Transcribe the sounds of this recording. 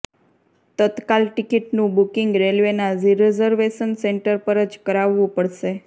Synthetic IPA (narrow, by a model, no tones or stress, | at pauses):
t̪ət̪kalʈikiʈnũbukɪŋɡɾelʋenaziɾezəɾʋeʃənseɳʈəɾpəɾət͡ʃkəɾaʋːũpəɽʃe